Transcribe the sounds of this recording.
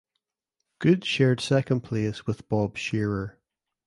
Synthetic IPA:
ɡ̥ʉdʃɛɹd̥sɛkə̃npʰl̥eswɪðb̥ɔb̥ʃɛɹə˞

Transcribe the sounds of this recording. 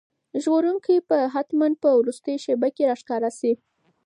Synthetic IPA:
ʒɣoɾuŋkipəɦat̪mand̪̚pəwɾust̪əjʃebakeɾɑʃkɑɾasi

